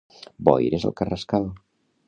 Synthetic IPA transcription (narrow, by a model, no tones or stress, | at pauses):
bɔ̰jɾezə̰lˠkarəskaðo